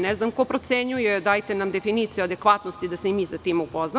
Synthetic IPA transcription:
neznamko̞pɾo̞t̪se̞ɲujeed̪aːjt̪enamd̪e̞finiːt̪sijuad̪e̞kʋat̪nost̪id̪aseimiːsat̪iːmupozna

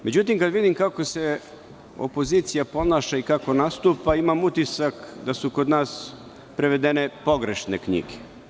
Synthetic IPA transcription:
me̞d͡ʑut̪imkad̪ʋid̪imkako̞se̞ | o̞̰po̞ziːt̪sijapo̞naːʃaikako̞nast̪uːpaimamut̪isakd̪asukod̪naːs | pɾeʋe̞d̪ene̞po̞ɡɾeʃnekɲḭɡe̥

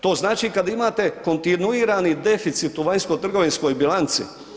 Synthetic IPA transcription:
t̪o̞ːznaːt͡ʃikad̪imaːt̪e̞ko̞nt̪inuiːɾanid̪e̞fit̪sit̪uʋaɲskot̪r̩ɡo̞ʋinsko̞jbilant̪sḭ

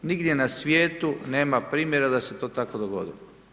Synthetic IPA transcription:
niɡd̪jenasʋjeːt̪une̞ːmapɾiːmjeɾad̪aset̪o̞ːt̪ako̞d̪oɡo̰d̪ilo

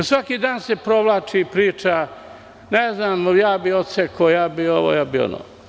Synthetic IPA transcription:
osʋakiːd̪aːnsepɾoʋlˠaːt͡ʃipɾiːt͡ʃa | neznaːmjaːbiot̪sekʰoːjaːbioʋo̰ːjaːbio̰no̰ː

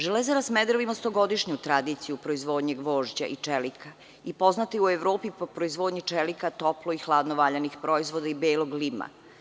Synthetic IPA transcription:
ʒelezaɾasmed̪ɾoʋimost̪oɡo̞d̪iʃɲut̪ɾad̪iːt̪sijupɾoizʋoːd̪ɲeɡʋoːʒd͡ʑa̰ʔit͡ʂelikʰa | ipo̞znat̪iueʋɾoːpipopɾoizʋo̞ːd̪ɲit͡ʃelikat̪o̞ploixlˠaːd̪noʋaːʎanixpɾo̞izʋod̪aibeːloɡlima̰

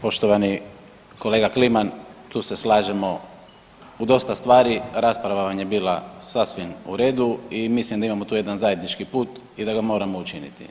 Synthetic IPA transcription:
po̞ʃt̪oʋani | ko̞le̞ːɡaklimant̪uːse̞slˠaːʒemo̞ | ud̪o̞st̪ast̪ʋaːɾiɾaspɾaʋaʋaɲebiːlˠasasʋimṵɾe̞ːd̪uimislimd̪aimamo̞t̪uːje̞d̪anzaje̞d̪nit͡ʃkipuːt̪ | id̪aɡamo̞ːɾamo̞ut͡ʃinḭt̪ḭ

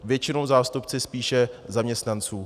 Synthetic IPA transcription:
vjɛt͡ʃɪnowzaːst̪upt͡sɪspiːʃɛzamɲɛst̪nant͡suː

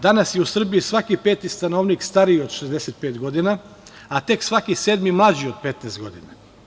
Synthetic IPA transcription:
d̪anasjeusr̩biisʋakipe̞ːt̪ist̪anoːʋnikst̪aɾio̞d̪ʃezd̪eset̪̚peːt̪ɡo̞d̪ina | at̪e̞ksʋakiseːd̪mimlˠad͡ʑio̞d̪̚pet̪neːst̪ɡo̞d̪ina

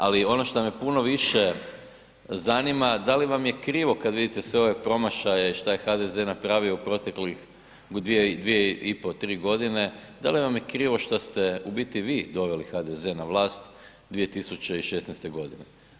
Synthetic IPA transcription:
alio̞no̞ʃt̪omepuno̞ʋiʃe | zanimad̪aliʋamjekɾiːʋo̞kad̪ʋid̪it̪esʋe̞o̞ʋe̞pɾo̞maʃajeiʃt̪ajexad̪ezeːnapɾaːʋio̞upɾo̞t̪eklix | d̪ʋied̪ʋijeipo̞t̪ɾiːɡo̞d̪ine̞d̪a̰liʋamjekɾiːʋo̞ʃt̪ast̪eubit̪iʋiːd̪o̞ʋe̞lixad̪ezenaʋlˠaːst̪ | d̪ʋije̞t̪isut͡ɕe̞iʃe̞sneɛjst̪e̞ɡo̞d̪ine

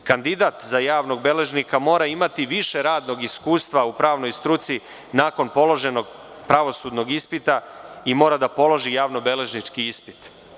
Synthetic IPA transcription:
kand̪id̪at̪zajaːʋno̞ɡ̚be̞le̞ʒnikamo̞ːɾaimat̪iʋiʃe̞ɾaːd̪no̞ɡiskuːst̪ʋaupɾaːʋnojst̪ɾut̪si | naːko̞npo̞lˠo̞ʒe̞no̞ɡ | pɾaʋo̞sud̪no̞ɡispit̪aimo̞ːɾad̪apo̞lo̞ʒijaːʋno̞be̞le̞ʒnit͡ʃkiispi̥t̪

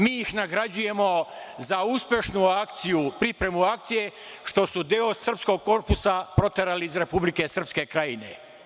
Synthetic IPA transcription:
miːixnaɡɾad͡ʑuje̞mo̞zauspʲje̞ʃnuakt̪sijupɾipɾe̞muak̚t̪sije̞ | ʃt̪o̞sud̪eo̞sr̩psko̞ɡ̚ko̞ɾpusapɾo̞t̪e̞ɾaliizɾe̞publike̞sr̩pske̞kɾajine̞̰

